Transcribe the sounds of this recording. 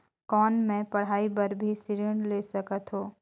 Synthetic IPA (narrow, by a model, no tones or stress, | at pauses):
kɔːnmẽpɐɽ̤aːipɐɾbʱisɪɾəɳleːsəkət̪ɦoː